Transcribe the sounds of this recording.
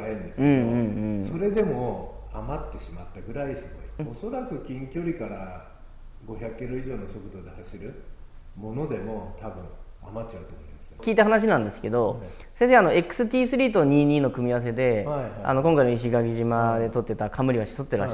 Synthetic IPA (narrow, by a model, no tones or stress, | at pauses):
hẽnd̪eskɯ̟̃ẽɴɯ̟̃ɴɯ̃ɴso̞ɾe̞d̪e̞mo̞amat̪ːe̞ɕimat̪ːaɡɯ̟ɾaisɨoioso̞ɾakɯ̟kʲĩŋkʲo̞ɾʲikaɾa | ɡo̞çʲakɯːkʲiɾo̞iʑo̞ːno̞so̞kɯ̟d̪o̞d̪e̞haɕiɾɯ̟ | mo̞no̞d̪e̞mo̞t̪ʰabɯ̟̃ŋ̃ | amatt͡ɕːaɯ̟t̪omoimmaskʲiːt̪aɦanaɕ̬inãnd̪e̞sɨ̥ke̞d̪o̞ | sẽs̬eano̞e̞kɯ̥sɨt̪ʲiːsɨɾʲiːt̪oɲ̟iːɲiːno̞kɯ̟mʲiaas̬e̞d̪e̞a̰no̞kõŋkainoiɕ̬iɡaɡʲiʑimad̪e̞t̪o̞t̪ːe̞t̪akʰamɯ̟ɾʲiβaɕi̥so̞t̪ːeɾa